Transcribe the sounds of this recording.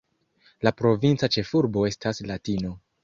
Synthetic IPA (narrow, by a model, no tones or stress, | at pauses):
lapɾo̞vint͡sat͡ʃe̞fuɾbo̞e̞staslatino̞